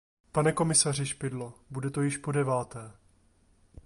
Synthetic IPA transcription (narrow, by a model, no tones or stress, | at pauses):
panɛko̞mɪsar̝ɪʃpɪdlobudɛt̪o̞jɪʃpo̞dɛvaːt̪ɛː